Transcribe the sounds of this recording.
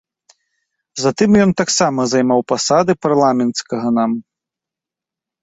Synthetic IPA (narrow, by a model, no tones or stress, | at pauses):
zat̪ɨmjɔnt̪aksamɐzajmawpasad̪ɨparlˠamʲɛnt̪skɐɣɐnam